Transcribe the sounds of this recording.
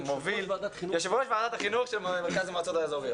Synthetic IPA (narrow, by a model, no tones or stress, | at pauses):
moviljoʃivʁoʃbeadat̪aχinuχʃelmmeʁkazemat͡sot̪aezoʁi